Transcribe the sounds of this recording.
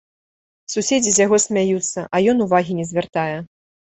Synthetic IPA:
susʲed͡zʲizʲjaɣɔsʲmʲajut̪sːɐʔɐjɔnuvaɣʲinʲɛzʲvʲart̪ajɛ

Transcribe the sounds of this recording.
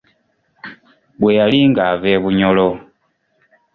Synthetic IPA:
βwejaliŋɡaːveːβuɲolo

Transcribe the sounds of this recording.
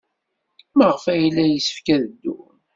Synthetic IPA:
məʁəfæjlːæjəsə̥fkæðəd̪ːṵ

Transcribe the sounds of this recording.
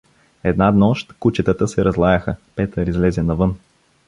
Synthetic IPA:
ɛd̪nad̪nɔʃt̪kut͡ʃɛt̪ət̪əsɛɾʔɐzlˠajəxəpɛt̪əɾizlɛzɛnɐvɤn

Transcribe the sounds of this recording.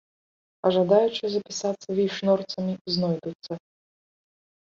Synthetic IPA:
ɐʐad̪ajut͡ʂɨzɐpʲisat̪sːɐvʲiʂnɔrt̪sɐmʲiznɔjd̪ut̪sːɐ

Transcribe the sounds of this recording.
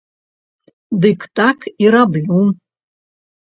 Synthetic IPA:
dɨkʰtʼakʰiɾablʲum

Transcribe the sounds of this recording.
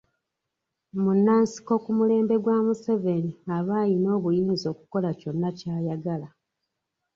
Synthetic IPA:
munːaːnsi̥ko̞kumule̞ːmbe̞ɡwaːmuse̞ve̞niaβaːjino̞ːβujiːnzo̞ːku̥ko̞laco̞nːacaːjaɡala

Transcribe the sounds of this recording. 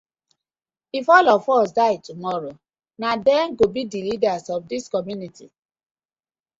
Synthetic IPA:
ifɔlɔfɔs̬daɪtumɔɾo | nadɛŋ̩ɡobidilidasɔfdiskɔmjuniti

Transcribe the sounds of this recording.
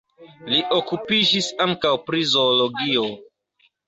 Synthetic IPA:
liʔokupid͡ʒisaŋkawpɾizoloɡio

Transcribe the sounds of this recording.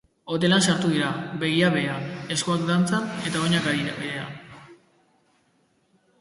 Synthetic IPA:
o̞t̪e̞lansaɾt̪uɣiɾabe̞ɣ̞iaβeae̞skoak̚d̪ant͡sane̞t̪ao̞ɲakaiβea̰

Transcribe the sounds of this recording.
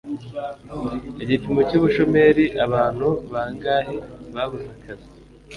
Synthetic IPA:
eɟipimocuːβuʃo̞me̞ɾiʔaβaːn̥huβaːŋɡaːhiβaβuzakʰazi

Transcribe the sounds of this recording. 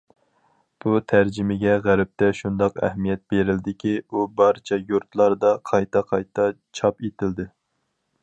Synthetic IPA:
b̥ut̪ʰæɾd͡ʒɪmɪɡʲɛʁæɾɪp̚t̪ʰɛʃund̪ɑqɛ̰hmijɛt̪̚beɾɪld̪ɪkʲʰiubɑɾt͡ʃʰɛjuɾt̪lˠɑɾd̪ɑqʰɑjt̪ʰɑqʰɑjt̪ʰɑ | t͡ʃʰɑpet̪ʰɪld̪ɪ

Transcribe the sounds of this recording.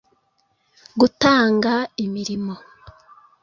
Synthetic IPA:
ɡutaːŋɡaimiɾimo

